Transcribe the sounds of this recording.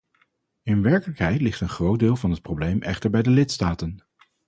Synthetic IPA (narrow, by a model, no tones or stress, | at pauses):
ɪnʋɛɹkələkɦɛjtlɪχtənχrowt̚dɪːlˠvɑnɦət̚prowblejmʔɛ̰χtəɹbɛjdəlɪtstaːtən